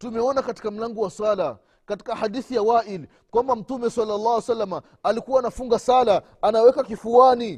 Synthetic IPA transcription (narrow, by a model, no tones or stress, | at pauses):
tumɛɔnakati̥kam̩laŋɡɔwaswala | kati̥kahaɗiθijawaʔil | kwambam̩tumɛsalːalːɑːhwɛsalːamaː | likuwaːnafuŋɡasala | anaɔwɛkakifuwani